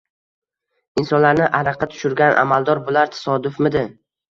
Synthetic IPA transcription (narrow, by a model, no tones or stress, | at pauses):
ɪnsɒnlaɾnɪʔaɾɑqʰɑt̪ʰʊ̥ʃʊɾɡʲanʔa̰malˠd̪ɒɾbolaɾt̪ʰḁsɒd̪ʊfmɪd̪ɪ